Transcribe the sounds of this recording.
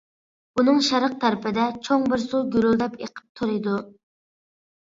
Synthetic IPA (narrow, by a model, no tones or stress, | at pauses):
bunɨŋʃæɾəq̚t̪ʰæɾɪpʰɪd̪ɛt͡ʃʰoŋbɪɾsuɡʲyɾlˠd̪ɛpḛqʰə̥p̚t̪ʰuɾɨd̪u